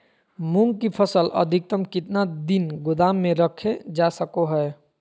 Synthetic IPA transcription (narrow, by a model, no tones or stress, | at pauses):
muŋɡkipʰəsələ̰d̪ʱik̚t̪əmkɪt̪nad̪inɡʊd̪aːmːẽɾəkʰed͡ʒasəkoɦɛɛ